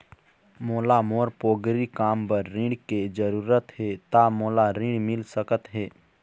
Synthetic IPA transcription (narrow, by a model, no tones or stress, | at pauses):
moːlamoːɾpoːɡɾikaːmpəɾːɪ̃ɽked͡ʒəɾuːɾət̪ɦeːt̪amoːlaɾɪ̃ɽmɪlsəkət̪ɦeː